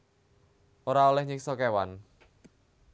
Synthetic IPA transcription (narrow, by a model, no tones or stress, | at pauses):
ʔoɾaolɛhɲɪksɔkewan